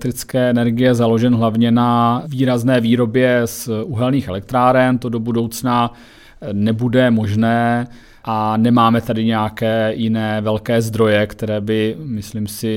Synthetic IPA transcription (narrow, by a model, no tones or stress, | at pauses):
t̪ɾɪt͡skɛːɛnɛɾɡɪjɛzalo̞ʒɛnɦlavɲɛnaviːɾaznɛːviːɾo̞bjɛsuɦɛlɲiːxɛlɛk̚t̪ɾaːɾɛnt̪o̞do̞budo̞wt͡sna | nɛbudɛmo̞ʒnɛː | ʔanɛmaːmɛt̪adɪɲɛjakɛːjɪnɛːvɛlkɛːzd̪ɾo̞jɛkt̪ɛɾɛːbɪmɪslimsɪ